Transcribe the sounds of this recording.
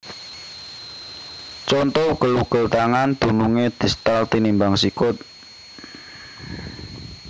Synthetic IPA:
t͡ʃɔnt̪ɔuɡ̥ə̤luɡ̥ə̤lt̪aŋand̪̥ṳnuŋed̪̥i̤st̪alt̪inimbaŋsikʊt̪̚

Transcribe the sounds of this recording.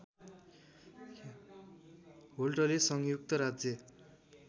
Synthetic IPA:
ɦolʈʌlesʌŋjuk̚t̪ʌɾad͡zjʌ

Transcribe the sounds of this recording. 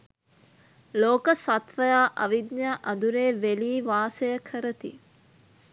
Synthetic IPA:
loːkəsat̪ʋəjaːʔɐʋid̪njaʔɐd̪uɾeːʋeliːʋaːsəjəkʰəɾət̪ḭ

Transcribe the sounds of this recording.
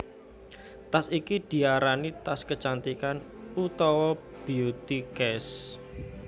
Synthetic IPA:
t̪asikid̪̥i̤aɾanit̪askət͡ʃant̪ikan | ut̪ɔwɔ | b̥i̤ut̪ikɛs

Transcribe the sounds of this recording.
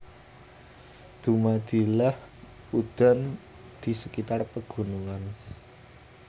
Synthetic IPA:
d̪̥ṳmad̪̥i̤lah | ud̪̥a̤n | d̪̥i̤səkit̪arpəɡ̥ṳnuŋan

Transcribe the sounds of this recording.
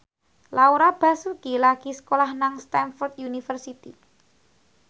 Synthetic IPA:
lauɾab̥a̤sukilaɡ̥i̤sə̥kolahnaŋst̪ɛnfɔrt̪junifərsit̪i

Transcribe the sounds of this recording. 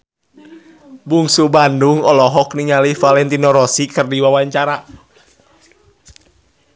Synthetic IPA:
buŋsubanduŋɔlɔɦɔkniŋalifalɛnt̪inɔɾɔsikɨrdiwawaɲt͡ʃaɾa

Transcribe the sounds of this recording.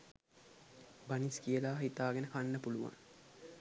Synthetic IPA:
baniskijəlaːɦit̪aːɡenəkanːəpuluʋa̰ŋ

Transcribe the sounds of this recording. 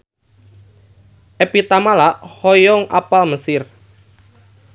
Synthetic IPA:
ʔepit̪amalaʔhɔjɔŋʔapalməsɪr

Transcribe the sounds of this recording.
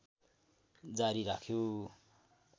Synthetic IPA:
d͡zaɾiɾakʰjo

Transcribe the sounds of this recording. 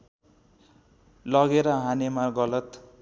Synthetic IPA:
lʌɡeɾʌɦanemaɡʌlʌt̪

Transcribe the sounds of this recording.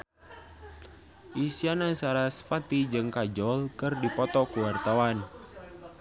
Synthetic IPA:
ʔisianasaɾasfat̪id͡ʒɨŋkad͡ʒɔlkərdipɔt̪ɔkuwart̪awan

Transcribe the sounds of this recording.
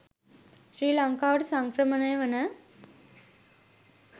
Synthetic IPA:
sɾiːlaŋkaːʋɐʈsɐŋkɾɐmɐnɐjʋɐnɐ

